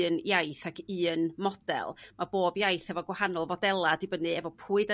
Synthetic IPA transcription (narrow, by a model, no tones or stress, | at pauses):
njajθakʰɨːnmɔd̥ɛ̰lˠmʔaboːbjajθɛvɔɡwahanɔlˠvɔdɛlˠadɨbənɨɛvɔpʰuːɨdə